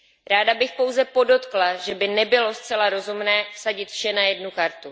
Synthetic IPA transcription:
ɾaːdabɪxpo̞wzɛpo̞do̞t̪klaʒɛbɪnɛbɪlo̞st̪t͡sɛlaɾo̞zumnɛːsaɟɪt̪fʃɛnajɛdnukaɾt̪u

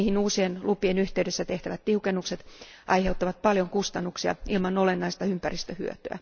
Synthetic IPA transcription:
hinuːsienlʔupienyht̪eydesːæt̪eht̪æʋæt̪t̪iukenːukset̪ | ʔɑiheut̪ːɑʋɑt̪̚pɑljoŋkust̪ɑnːuksiɑ̰ilmɑnolenːɑist̪ɑympærist̪øhy̰ø̰t̪ø̰æ̰

